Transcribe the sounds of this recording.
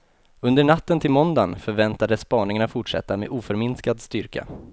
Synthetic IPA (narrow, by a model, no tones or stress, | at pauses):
ɵnd̪əɳat̪ːənt̪ʰɪlmɔnd̪anfœɾvɛnt̪ad̪əsːpɑːɳɪŋaɳafʊʈʂɛ̰t̪ːamḛd̪uːfœɾmɪnskad̪st̪ʏɾka̰